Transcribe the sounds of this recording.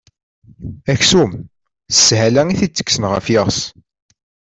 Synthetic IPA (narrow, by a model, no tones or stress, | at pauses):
æçsum | ə̥shælæŋiθit͡sːə̥kːsənʁə̰fjeʁs